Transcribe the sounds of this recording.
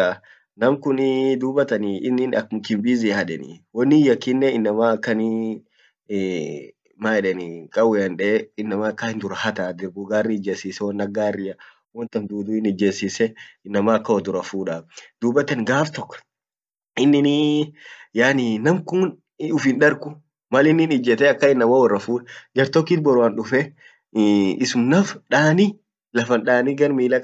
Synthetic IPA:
a | nɐmkʊnd̪uːbɐt̪ɐnɪːnːɪnɐkɪmbiːzihɐᶑɛnɪ̰wɔnːɪjɐkːɪnːɛɪnːɐmaːɐkːɐnɪ | maːɛᶑɛnɪkʼɐwɛɐnᶑɛɪnːɐmaːkːahɪnd̪ʊɾɐhɐt̪aːd̪ɪɾbʊɡaːrːid͡ʒːeːsiːsɛwɔnːɐɡaːrːɪɐ | wɔnt̪ɐnd̪uːd̪uɪnɪd͡ʒːeːsiːsɛɪnːɐmaːkːɐwɔd̪ʊɾɐfuːᶑaːd̪̥uːbɐt̪ːɐnɡaːft̪ɔkː | ɪnːɪni | jaːninɐmkʊn | ʊfɪnᶑɐɾkʊ | mɐlɪnːɪnɪd͡ʒːɛt̪ɛɐkːɐɪnːɐmawɔrːɐfuːᶑɐd͡ʒɐɾt̪ɔkːiːt̪bɔɾʊwanᶑʊfɛ | ɪsʊmnɐfᶑaːni | lɐfɐnᶑaːniɡɐɾmiːlɐk

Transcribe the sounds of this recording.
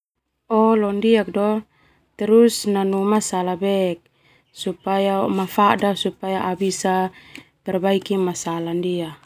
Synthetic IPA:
ɔlɔndiak̚dɔ | t̪ɛɾusnanumasalabɛk̚ | supajamafadasupajaʔabisat̪ɛrbaikimasalandia

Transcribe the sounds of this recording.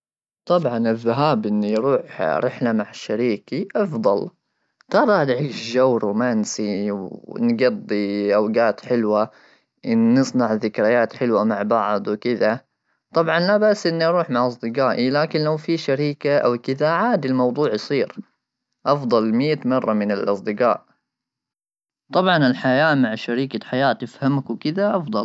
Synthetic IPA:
t̪ˤɑbʕɑnɪðːaɦaːbʔɪnːijɾuːħɾɪħlamaʕɪʃːaɾiːkiʔɑfd̪ˤɑl | t̪ɑɾˤɑd̪ʕiːʃd͡ʒawɾumansiwnɡɑd̪ˤːiʔawɡaːt̪ħɪlwa | ʔɪnːɨsˤnɑʕðɪkɾɪjaːt̪ħɪlwamaʕbɑʕd̪ˤwɪkɪða | t̪ˤɑbʕɑnlabaʔsʔɪnːiʔɑɾˤuːħmaʕʔɑsˤd̪ɨqaːʔilaːkɪnlawfiʃaɾiːkaʔa̰wkɪðaʕaːd̪ilmɑwd̪ˤuːʕjsˤiːɾ | ʔɑfd̪ˤɑlmijːat̪mɑrˤːɑmɪnɪlʔɑ̰sˤd̪ɨɡa̰ːʔ | t̪ˤɑbʕɑnɪlħajaːmaʕʃaɾiːkaħajaːt̪ɪfhamakwkɪðaʔɑfd̪ˤɑ

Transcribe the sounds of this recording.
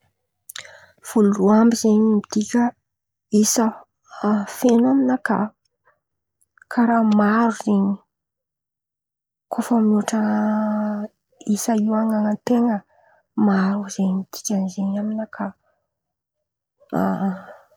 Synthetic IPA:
v̥uluruambizeɲimid̪ikʲə | isə | fenaminəka̰ | kʰaɾamaɾuzeɲi | kʰofəmuʈ͡ʂə | isəiwaŋaŋənt̪eŋə | maɾuz̥eɲmid̪̥i̥kʲənizeɲaminəkʰa

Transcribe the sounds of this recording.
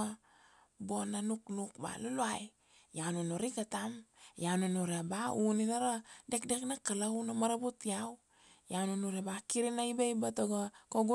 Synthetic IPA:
a | bonanuknukba̰luluaj | janunoɾikatamjanunuɾabauninaɾadekdeknakalawnamaɾabutiaw | janunuɾebakiɾinajbejbatoɡakoɡu

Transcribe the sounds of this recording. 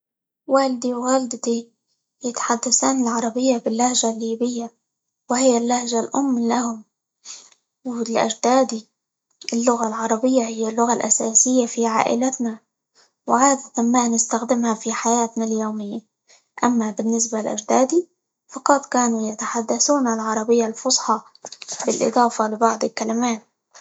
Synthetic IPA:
waːlɪd̪iwɣald̪at̪i | jɪt̪ḁħad̪ːasaːnɪlʕɑɾˤɑbɪjːabɪlːahʒalːiːbɪjːa | wɪhɪjːalːahʒalʔʊmːlahʊm | wɪlʔa̰d͡ʒd̪aːd̪i | ʔɪlːʊɣalʕɑɾˤɑbɪjːahɪjːalːʊɣalʔa̰saːsɪjːafiʕa̰ːʔɪ̰lat̪na | wʕaːd̪at̪anmanɪst̪axd̪ɪmhafiħajaːt̪naljoːmɪjːa | ʔamːabɪnːɪs̬balʔa̰ʒd̪aːd̪i | fɑqɑt̪ˤkaːnujat̪aħad̪ːaθuːnalʕɑɾˤɑbɪjːalfʊsˤħɑ | b̥ɪlʔɪ̰d̪ˤɑːfalɪbɑʕd̪ˤɪlkalamaːt̪̚

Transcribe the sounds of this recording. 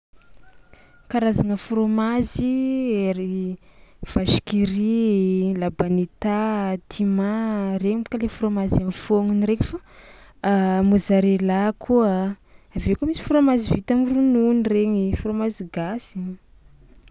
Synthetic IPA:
kaɾazaŋəfuɾomazieɾi | v̥aʃi̥kiɾilabanit̪at̪ʰimaɾeɲikalefuɾomazamifoŋiniɾeɲifa | mozaɾelakʰua | avekumisi̥fuɾomazivit̪amirununireɲifuɾomaziɡasiɲ

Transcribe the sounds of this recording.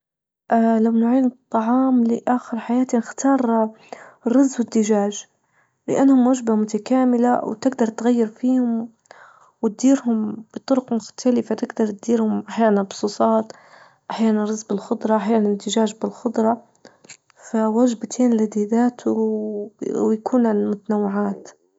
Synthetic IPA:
ʔalamnʊʕiːnɨt̪ˤːɑʕɑːmlɪʔaːxɪɾħajaːt̪inɪxt̪ʰɑːɾˤ | rɑzːwɪd̪ːɪʒaːʒ | lɪʔanːhʊmwaʒbamʊt̪akaːmɪlawt̪ɪɡd̪ɑɾˤt̪ɣajːɪɾfiːhʊm | wɪt̪̚d̪iːɾɦʊmb̥ɨt̪ˤʊɾʊqmʊxt̪ʰalɪfat̪ɪɡd̪ɑɾˤt̪̚d̪iːɾhʊmʔaħjaːnanbʊsˤuːsˤɑːt̪ | ʔaħjaːnanɾɑzˤbɪlxʊd̪ˤɾˤɑʔaħjaːnand̪ɪʒaːʒbɪlxʊd̪ɾˤɑ | fawaʒbt̪ʰeːnlad̪iːd̪aːt̪ʰu | jakʰuːnmʊt̪anawːɪʕaːt̪

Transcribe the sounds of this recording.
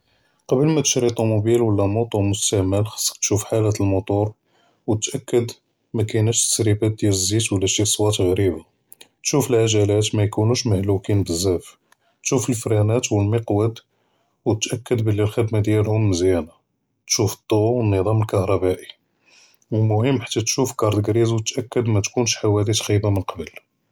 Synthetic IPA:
qɑbəlmæt̪ə̥ʃɾit̪ˤumubilwəlːæmut̪ˤumʊst̪æʕməlxɑ̥sˤːə̥k̚t̪ʃufħalæt̪əlmʊt̪ˤuɾ | wt̪ʔækːəd̪ | mækænæʃt̪ə̥sɾibæt̪̚d̪jæləzːit̪wəlːæʃisˤwɑt̪ɣɾiba | t̪ʃufəlʕaʒælæt̪mæjkunuʃməhlukinbəzːæf | t̪ʃufəlfɾænæt̪wəlməqwəd̪ | wt̪ʔækːəd̪bəlːilxəd̪mad̪jælhʊmːəzjæna | t̪ʃufə̥t̪ˤːowənːəd̪ˤɑməlkɑhɾˤɑbæʔi | wəlmʊhəmːħḁt̪ːæt̪ʃufkɑɾˤd̪əɡɾizwt̪ʔækːəd̪mæt̪kunʃħawælit̪xibamənqɑbəl

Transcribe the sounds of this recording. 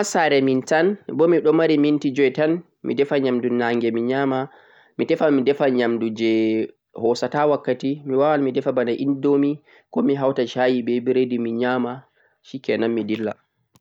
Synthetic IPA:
asaɾɛmintanbɔmiɗɔmaɾimintid͡ʒɔjtan | mḭdɛfaɲamdunaŋɡɛmiɲaːma | mitɛfamidɛfaɲamdud͡ʒɛ | hɔsatawakːatimiwawalmidɛfabanaʔindomi | kɔmiɦawtaʃajibɛbiɾedimiɲaːma | ʃikɛnanmidilːa̰

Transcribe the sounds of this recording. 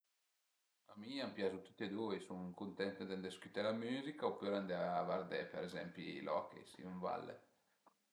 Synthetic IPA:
amiampjazut̪u̥t̪ːed̪uːesuŋkunt̪ɛnt̪ed̪and̪eskyt̪ɛlamyːzikaopːøɾand̪eavaɾd̪epeɾezɛ̰mpilʔɔ̰kḛsḭuɱva̰lːḛ

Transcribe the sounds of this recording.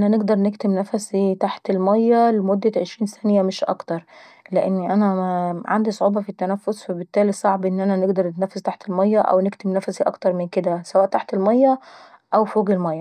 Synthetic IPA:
ʔænæneɡd̪ɑɾˤnekt̪emnæfæsit̪aħt̪elmæjːælemod̪ːæʕeʃɾiːnsænjæmɪʃʔɑ̰kt̪ɑɾˤ | leʔenːʔænæʕa̰nd̪isˤoʕuːbɑfit̪ːænæfːosfæbɪt̪ːæːlisˤɑʕbʔenːʔænæneɡd̪ɑɾˤnɪt̪næfːæzt̪aħt̪elmɑjːæʔæ̰wnekt̪emnæfæsiʔɑkt̪ɑɾˤmɪnked̪æsæwæːʔt̪aħt̪elmɑjːæ | ʔæwfoːɡelmɑjːɑ

